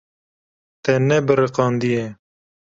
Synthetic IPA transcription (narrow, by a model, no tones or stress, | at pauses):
t̪enebəɾeqɑːnd̪ije